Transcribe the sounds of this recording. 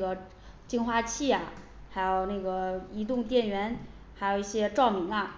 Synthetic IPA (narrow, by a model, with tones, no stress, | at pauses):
ɡə˩ | t͡ɕi˥nxwa˥t͡ɕʰi˥˩ɐ˨˩ | xa˧˥ɪjo˨˩ʊne˥˩ɡə˩i˧˥t̪̬ʊ˥˧ŋt̪̬jɛ˥˩nɥɛ˧˥n | xa˧˥jo˨˩ʊi˥˩ɕjɛ˥ʈ͡ʂɑ˥˩ʊmi˧˥ŋɐ˧